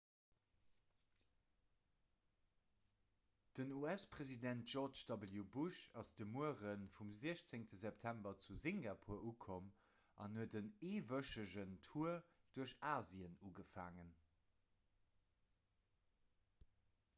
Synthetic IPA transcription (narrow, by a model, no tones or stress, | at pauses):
d̥ənuæspʁezidæntʒ̥ɔʁt͡ʃd̥ɑbəljubuʃɑsd̥əmuəʁənfumziəɕt͡seŋtəzɛptʰæmbɐt͡suziŋɡapʰuːɐuːkʰom | ɑ̰nhuətəneːvəʃəʑəntʰuːɐd̥uɐɕaːziənuːɡəfa̰ːŋən